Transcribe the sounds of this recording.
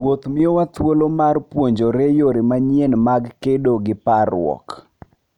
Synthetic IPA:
wot̪mɪowat̪wolomarpwoɲd͡ʒoɾejoɾemaɲjenmaɡkedoɡɪparwɔ̰k

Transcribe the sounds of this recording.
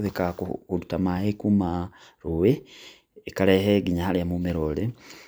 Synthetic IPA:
ðekakohulutamahekuma | ɾuweː | kaleɦeɡiɲahaliamumeɾole

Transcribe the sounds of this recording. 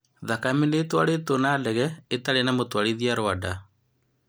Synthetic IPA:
ðakaminetwaɽet̪onaːlɛɣɛetaɾenamotwaɽiðiaɾoada

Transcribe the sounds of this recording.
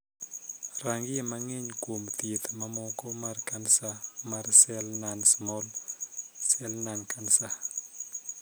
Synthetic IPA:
raŋɡɪemaŋeɲkwomt̪et̪mamɔkɔmarkansamarsɛlnansmɔl | sɛlnankansa

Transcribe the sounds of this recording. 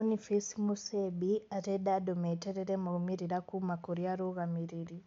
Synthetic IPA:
nifisimusebiateɗadɔmɛtɛɾɛɾɛmaumiɾiɾakumakuɾiaɾuɣamiɾiɾi

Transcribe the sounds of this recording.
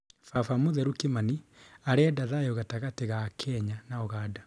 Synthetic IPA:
fafamoðɛɾukemaniaɾeɛdaðajoɣataɣateɣakʰɛɲanaoɣaːda

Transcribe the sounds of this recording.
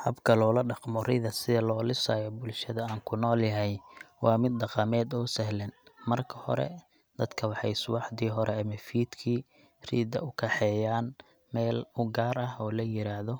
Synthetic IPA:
hɐ̰bkʰɐlɔːlɐɖɑqmɔrɪðɐsɪðɐlɔːlɪsaːjɔbʊlʃɐðɐaːŋkʰʊnɔːljɐɦɛjwɑːmɪd̪̚ːɑqɑmɛːd̪ɔːsɛɦlɛnmɐrkʰɐ̥hɔ̰ɾɛ̰ | d̪̥ɐd̪kʰɐwɑħɑjsʊwɑħd̪iːɦɔɾɛɐmɐfiːd̪kʰiː | rḭːd̪ɐ̰ʊkʰɛħɛːjaːn | mɛːlʊɡaːɾɐɦɔːlɐjɪɾaːhðɔ

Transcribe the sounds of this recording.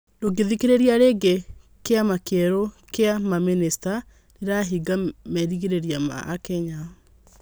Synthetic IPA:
doɡeðikiɾeɾijaɾeɡe | keamakɛɾokeamaminista | neɾaɦiɡamɛɾiɣiɾeɾiama̰ʔːkɛɲa

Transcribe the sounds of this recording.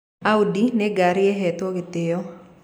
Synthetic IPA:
audinɛɡaɾɪɛɦɛt̪wɔɡɪt̪ɪɔ

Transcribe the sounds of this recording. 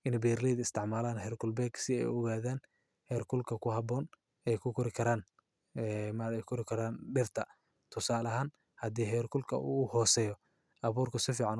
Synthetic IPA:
ʔɪnbɛːrliːd̪ɪst̪ʰɪʕmaːlaːnɦɛrkʰʊlbɛːɡsɪɛ̰jɔɣaːðaːn | hɛːrkʰʊlkʰɐkʰʊɦɑbɔːn | ɛjkʰʊkʰɔɾɪkʰɐɾaːn | ɛmɐɛjkʰɔɾɪkʰɐɾaːnɖɪrt̪ʰɐ | t̪ʰʊsaːlɐɦaːn | hɐd̪iːɦɛjrkʰʊlkʰɐ̰ṵːhɔːsɛjɔ | ʔɐβuːrkʰʊsɪfiːʕɑn

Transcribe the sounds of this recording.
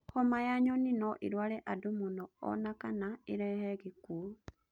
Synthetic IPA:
xomajaɲoninoʔḭɾwaleʔadumunoo̰nakanaiɾɛheɣiku

